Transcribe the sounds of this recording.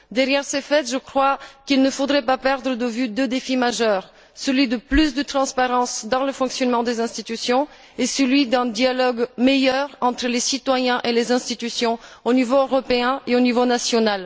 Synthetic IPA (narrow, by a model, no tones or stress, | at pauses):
d̪ɛʁjɛʁsefɛt̪ʒəkχwakilnəfod̪ʁɛpapɛʁd̪ʁəd̪əvyd̪ød̪efimaʒœʁ | səlɥid̪əplysd̪ət̪χɑ̃spaʁɑ̃sd̪ɑ̃ləfɔ̃ksjɔnmɑ̃d̪ezɛ̃st̪it̪ysjɔ̃ | esəlɥid̪ɛ̃d̪ialɔɡmejœʁɑ̃t̪χəlesit̪wajɛ̃ʔelezɛ̃st̪it̪ysjɔ̃onivoøʁɔpeɛ̃eonivonasjɔnal